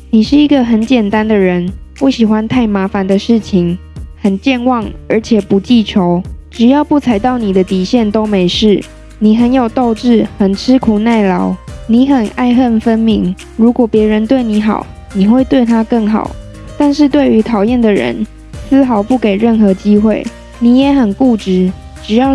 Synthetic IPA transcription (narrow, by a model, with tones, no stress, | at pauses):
ni˨˩ʂɻ̩˥˩i˧˥ɡə˨ɦə˧˥nt͡ɕjɛ˨˩nt̪a˦nd̪ə˨ɻə˧˦npu˥˩ɕi˨˩xwa˦nt̪ʰa˥˩ɪma˧˥fa˧˦nd̪ə˨ʂɻ̩˥˩t͡ɕʰi˥ŋhə˨˩nt͡ɕjɛ˥˧nwɑ˥˩ŋə˞˧˥t͡ɕʰjɛ˨˩pu˨˦t͡ɕi˥˩t͡ɕʰjo˧˦ʊʈ͡ʂɻ̩˨˩jɑ˥˧ʊpu˥˩t͡sʰa˧˥ɪt̪ɑ˥˩ʊni˨˩d̪ə˦t̪i˨˩ɕjɛ˥˩nt̪o˥ʊme˧˥ɪʂɻ̩˥˩ | ni˨˩ɦə˧˦njo˨˩ʊt̪o˥˧ʊʈ͡ʂɻ̩˥˩xə˨˩nt͡sʰɻ̩˥kʰu˨na˥˩ɪlɑ˧˦ʊni˧˥xə˨˩na˥˧ɪxə˥˧nfə˦˥nmi˧˥ŋ | ɻu˧˥kwɔ˨˩pjɛ˨˧˥ɻə˧˦nt̪we˥˩ɪni˧˥˦xɑ̰˨˩˦ʊ | ni˨˩xwe˥˧ɪt̪we˥˧ɪt̪ʰa˥kə˥˩ŋxɑ̰˨˩˦ʊ | t̪a˥˧nʂɻ̩˥˧t̪̬we˥˩ɪy˧˥t̪ʰɑ˨˩ʊjɛ˥˩nd̪ə˨˩ɻə̰˧˦n | s̩˥xɑ˧˥ʊpu˥˩ke˨˩ɪɻə˥˩nxɤ˧˥t͡ɕi˥xwe˥˩ɪ | ni˨˩jɛ˧˦xə˨˩nku˥˩ʈ͡ʂɻ̩˧˥ | ʈ͡ʂɻ̩˨˩jɑ˥˩